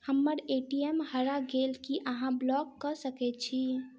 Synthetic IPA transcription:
həmːəɾeʈiemhəɾaɡelkiʔəɦãblɔɡːəsəkɛt͡ʃʰi

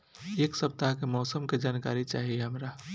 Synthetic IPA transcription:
eːksəp̚t̪aɦkemɔːsəmked͡ʒaːnkaɾit͡ʃaːɦieɦəmɾa

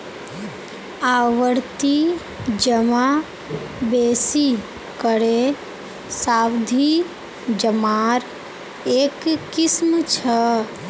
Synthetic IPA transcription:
aːwəɾt̪i | d͡ʒəma | beːsi | kəɾe | saːbd̪ʱi | d͡ʒəmaːɾ | eːkkːɪsmt͡ʃʰə

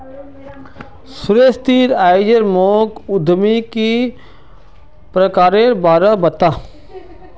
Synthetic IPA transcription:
sʊɾest̪iːɾaːɪd͡ʒəɾmoːkʊd̪ʱmiki | pɾəkaːɾeɾbaːɾabɐt̪aː

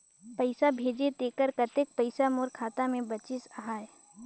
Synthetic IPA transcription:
pəɪsabʱeːd͡ʒet̪eːkəɾkət̪ek̚pəɪsamoːɾkʰaːt̪amẽbət͡ʃɪsəɦaːe

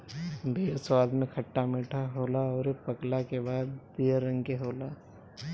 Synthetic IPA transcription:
bʱeːswaːd̪mẽkʰəʈːamiːʈʰaɦoːlaɔːɾepəklakebaːd̪ːiɾə̃ŋkeɦoːlaː

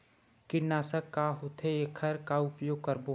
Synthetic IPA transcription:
kɪnaːsəkːaɦot̪ʰeekʰəɾkaʊpjoːɡ̚kəɾbo

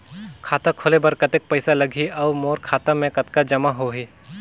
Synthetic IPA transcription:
kʰaːt̪akʰoːlebɐɾkɐt̪ek̚pɐɪsalɐɡʱiɔʋmoːɾkʰaːt̪amẽkɐt̪kad͡ʒɐmaɦoɦiː

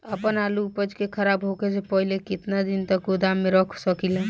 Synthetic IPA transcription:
əpənalupəd͡ʒkekʰəɾabɦoked͡ʒepəɦilekɪt̪nad̪int̪əkod̪amːeɾəkʰsəkilə

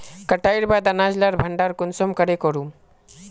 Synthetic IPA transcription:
kəʈajɾbad̪anad͡ʒlaɾbʱəɳɖaɾkʊnsɔmkəɾekɔɾum

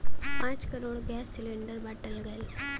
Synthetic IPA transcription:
pãɲt͡ʃkɐɾoːɽɡaːsːɪlɪɳɖɐɾbɐʈːɐlɡɐl

